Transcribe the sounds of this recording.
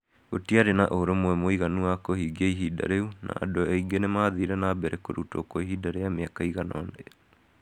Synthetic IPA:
otiaɾenaʔoɾomwɛmoiɣanuakohiɡiaiɦida̰ɾeunʔa̰ːdoeiɡenɛmaːðiɾɛnaːbɛɾɛkoɾuto̰koiɦidaɾeameakaiɣanɔne

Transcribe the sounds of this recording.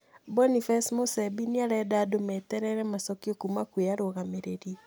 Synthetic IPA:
bɔnifɛsmosɛbiniaɾɛdadomɛtɛɾɛɾɛmasɔkiokumakweaɾoɣameɾeɾi

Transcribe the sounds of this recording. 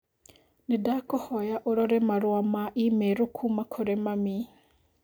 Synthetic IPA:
nedakɔhɔjaʔoɾɔɾɛmaɾwamaʔimeɾokʰumakʰoɾɛmami

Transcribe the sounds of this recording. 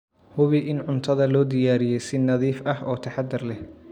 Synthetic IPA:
hʊβɪʔɪnʕʊnt̪ʰɐðɐlɔːd̪ɪjaːɾɪjɛjsɪnɐðiːfɐhɔːt̪ʰɐħɑd̪ːɪrlɛh

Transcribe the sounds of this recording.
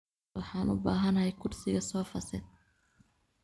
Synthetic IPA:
wɑħɑːnʊ̰baːɦɐnɐɦɛjkʰʊrsɪɣɐsɔːfɐsɪ̰ð

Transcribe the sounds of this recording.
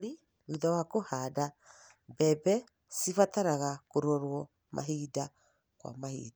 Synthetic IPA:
ɾi | ɾuðawakohaːda | bɛbɛ | sifataɾaɣakoɾɔɾwɔ | mʔa̰ɦida | kwa̰mahḭːda

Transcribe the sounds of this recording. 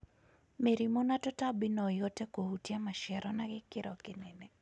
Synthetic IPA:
meɾimonatɔtabɪnɔjotɛkohutjamaʃɛɾɔnaɡɪkɪɾɔkɪnɛnɛ

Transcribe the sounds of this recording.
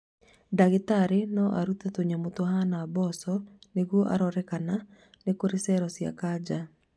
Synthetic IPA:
daɣetaɾenɔʔaɾutatoɲamotoɦanabɔsɔneɣwɔʔa̰ɾɔɾɛkana | nekoɾesɛɾɔsja̰kad͡ʒa

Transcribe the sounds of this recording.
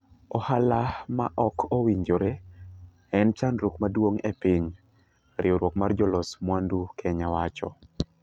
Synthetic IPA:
ɔhalama̰ʔɔkʰowiɲd͡ʒoɾe | ɛnt͡ʃanɾukmadwoŋɛ̰piɲ | ɾɪoɾwɔkmard͡ʒɔlɔsmwandukʰɛɲawat͡ʃɔ̰

